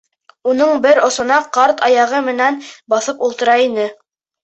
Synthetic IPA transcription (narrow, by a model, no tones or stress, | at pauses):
unɤɴbɘɾŏsŏnɑqɑɾt̪ɑjɑʁɤmɘ̆nænbɑθɤpulˠt̪ɤ̆ɾɑinɘ